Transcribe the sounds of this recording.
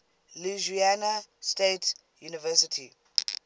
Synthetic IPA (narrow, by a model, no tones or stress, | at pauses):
luʒianastet | junivɛsitʰi